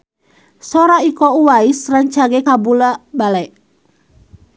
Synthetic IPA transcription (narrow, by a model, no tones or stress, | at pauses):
sɔɾaikɔuwaisraŋt͡ʃaɡɛkabulabalɛʔ